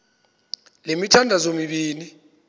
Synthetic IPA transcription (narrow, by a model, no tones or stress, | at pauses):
lemitʰandʱazomiɓiːni